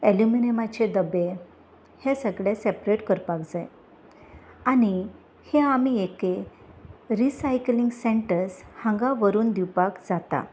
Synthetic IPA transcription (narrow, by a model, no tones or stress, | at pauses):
eljuminemat͡ɕed̪əbe | hẽsəɡɭjesepɾeʈkəɾpakd͡zaj | ani | heamieke | ɾisajkliŋɡsẽɳʈəɾshãŋɡaʋəɾuːnd̪iwpakd͡zat̪a̰